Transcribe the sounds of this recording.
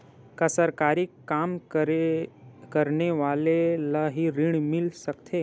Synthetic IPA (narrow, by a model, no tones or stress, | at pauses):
kɐsəɾkaːɾɪkːaːm | kɐɾneʋaːlelaɦiɾɪɽ̃mɪlsəkt̪ʰeː